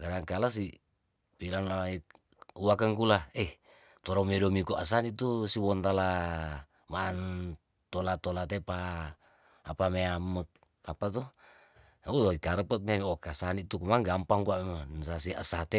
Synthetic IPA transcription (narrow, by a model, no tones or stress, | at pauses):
kadaŋkalas̬i | pilanlai | uwakəŋkulaɛh | t̪ɔɾamɛdɔmikuʔasanit̪usiwɔnt̪ala | maːn | t̪olat̪olat̪epaː | pameamək̚ | apat̪̬u | uikaɾəpɔt̪̚meamokasanit̪ukumaŋɡampaŋkuamemansasia̰sat̪e